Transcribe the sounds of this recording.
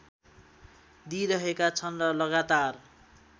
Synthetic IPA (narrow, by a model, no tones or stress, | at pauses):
d̪iɾʌɦekat͡sʰʌnrʌlʌɡat̪ar